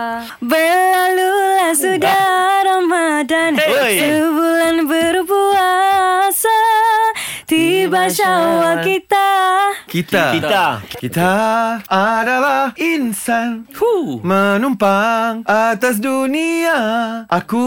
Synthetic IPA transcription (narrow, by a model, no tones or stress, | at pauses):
bəlalulahsudaɾamadankəbulanbərbuasa | t̪ibaʃawakit̪akit̪akiakit̪aadalahinsanmənumpaŋʔat̪as̬duniaʔaku